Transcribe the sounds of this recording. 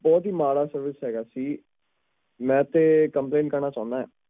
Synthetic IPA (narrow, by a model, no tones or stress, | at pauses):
bɔːt̪ɦiːmaːɽaːsəɾʋɪsɦɛːɡaːsiː | mɛ̃ːt̪eːkəmpleːnʈkəɾnaːt͡ʃãːʊ̃nd̪aːɦɛ̰ː